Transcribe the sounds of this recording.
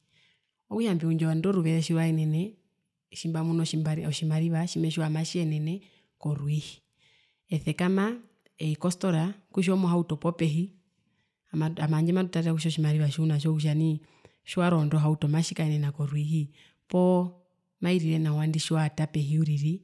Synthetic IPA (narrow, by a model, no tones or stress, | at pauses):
ɔkuʃambiuɲd͡ʒɔwandɔɾuβɛɾɛʃiɾwaɛnɛnɛ | ʃimbamunɔiɔʃimaɾiβaʃimɛʃiwamaʃiɛnɛnɛ | kɔɾwihi | ɛθɛkama | ɛikɔstɔɾakuʃ̬ɔmɔɦautɔpɔpɛɦi | amaamaɲd͡ʒɛmadutatakuʃɔʃimaɾiβaʃiunaʃ̬ɔkuʃ̬ani | ʃaɾɔndɔɦautɔmaʃikaɛnɛnakɔɾwiɦi | pɔ | maiɾiɾɛnawandiʃiwatapɛɦiuɾiɾi